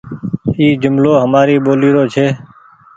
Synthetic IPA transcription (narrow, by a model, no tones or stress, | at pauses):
iːd͡ʒʊmloːɦəmaːɾiːɓoːliːɾoːt͡ʃʰeː